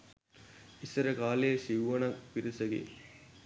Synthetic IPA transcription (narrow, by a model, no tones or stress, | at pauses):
isɐɾəkaːleːsiʋuʋɐnɐkpiɾisɐɡḛ